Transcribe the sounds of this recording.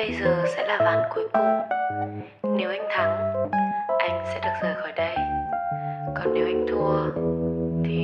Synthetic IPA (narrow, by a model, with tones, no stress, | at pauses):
ə˧jzɨː˨˩sɛ̰˧˥laː˨˩vaː˨˩nku˨˧˦əjkʊ˨ŋ͡m | ne˧wʔa˧jŋ̟t̪ʰa˧˩ŋ | ʔa˧jŋ̟sɛ̰˧˥ɗɨ˨˩ək̚z̥əː˨˩jxɔː˧˩jɗə˧j | kɔ˨˩nːe˨˦wʔa˧jŋt̪ʰu˧˩ə | t̪ʰi˨˩